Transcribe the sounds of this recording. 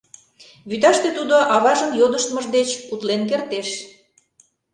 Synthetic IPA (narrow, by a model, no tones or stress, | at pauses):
βyt̪ɑʃt̪et̪ud̪oʔɑβɑʒəmjod̪əʃt̪məʒd̪et͡ɕut̪lenk̬ert̪eʃ